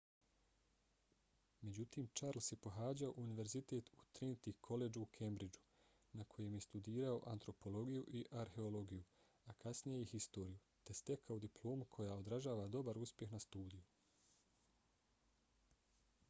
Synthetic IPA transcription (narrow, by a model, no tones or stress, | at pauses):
me̞d͡ʑut̪iːmt͡ʃaɾlsepo̞ɦaːd͡ʑao̞ʔuniʋe̞ɾzit̪e̞ːt̪ʰut̪ɾint̪ikʰo̞le̞d͡ʒuːkʰembɾid͡ʒu̥ | nakʰo̞je̞mje̞st̪ud̪iːɾao̞ʔant̪ɾo̞po̞lo̞ɡijuʔiʔaɾhe̞o̞lo̞ɡiju | akʰasnijejihist̪o̞ːɾiju | t̪e̞st̪e̞kʰaud̪iplˠo̞ːmukʰo̞jao̞d̪ɾaʒaːʋad̪o̞baɾuspje̞xnast̪uːd̪iju